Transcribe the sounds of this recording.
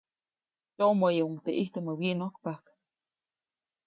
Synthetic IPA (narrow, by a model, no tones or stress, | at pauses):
jomojeuŋt̪eʔiht̪oməwiʔnokpak